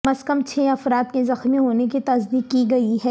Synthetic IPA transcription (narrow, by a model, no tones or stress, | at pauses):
mɐzkɐmt͡ʃʰeːɐfɾaːt̪̚kezɐxmiɦoːnekit̪ɐzd̪iːkːiɡɐiɦɛː